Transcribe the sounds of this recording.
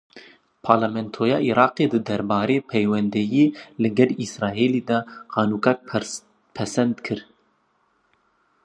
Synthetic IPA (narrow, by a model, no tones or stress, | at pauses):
pʰɑːɾlamɛnt̪ʰoːjɑ̰ːʔiɾɑːqeːd̪ɨd̪ɛɾbɑːɾeːpʰɛjwɛnd̪ɛjeːlɨɡɛlisɾɑːeːlid̪ɑqɑːnuːkɑk̚ | pʰɛsɛnd̪kʰɨɾ